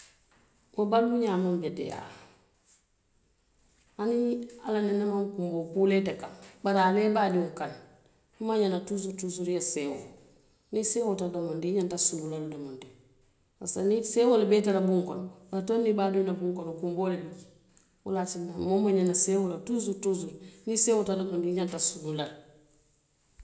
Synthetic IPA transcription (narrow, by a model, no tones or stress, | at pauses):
wobaduɲamambedḛja̰ | anialanenemaŋkumbokuletekanbaɾaːlebadiuŋkan | maɲanatus̬utusuɾjasewo | niseːwotadamondiɲantasululaldomondi | a̰sanisewolbeteɾabuŋkontonːibadunabuŋkonokumboleluki̥ | wa̰lat͡ʃinamomaɲanasewolatus̬utus̬uɾnisewotadamondiɲantasululal